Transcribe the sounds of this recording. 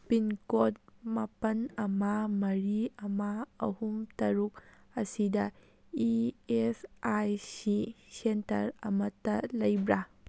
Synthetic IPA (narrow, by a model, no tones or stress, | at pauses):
pinkot̚mɐpɐnɐmamɐɾiɐmaːhumtɐɾuk̚ɐsidɐ | iesajsisentɐ̰ɾɐmɐtːɐlɐjbɾa